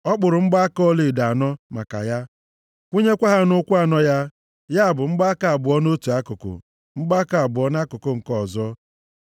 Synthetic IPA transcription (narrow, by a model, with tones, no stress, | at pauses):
ɔ˦k͡pʊ˨ɾʊ˨ŋ͡m̩˦ɡ͡ba˦kɔ˦li˨da˨nɔ˦ma̰˨ka̰˨ja˦ | kʷu˦ɲe˦kʷa˦ɦa˦nʊ˦kʷu˦a˨nɔ˦ja˦ | ja˦a˨bʊ˨ŋ͡m̩˦ɡ͡ba˦ka˨a˨bʊ˨ɔ˦no˦tu˨a˦kʊ˨kʊ̰˨ | ŋ͡m̩˦ɡ͡ba˦ka˨a˨bʊ˨ɔ˦n˦a˦kʊ˨kʊ˦ŋ̩˨kɔ˦˨zɔ˦